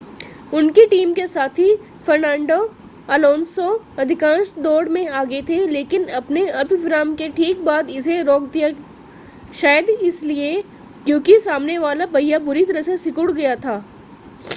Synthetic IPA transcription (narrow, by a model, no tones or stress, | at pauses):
ʊnkiʈiːmkesaːt̪ʰi | fɐɾnãːɳɖo | ɐlɔ̃ːnsõ | ɐd̪ʱɪkãːnsd̪oːɽmẽaːɡəet̪ʰeleːkɪnɐpneɐbʱɪbɾaːmkeʈʰiːk̚baːd̪ɪseɾoːk̚d̪ija | ʃaːjəd̪ɪslie | kjõːkisaːmneʋaːlabɐjabʊɾit̪ɐɾəɦsesɪkʊɽɡɐjat̪ʰaː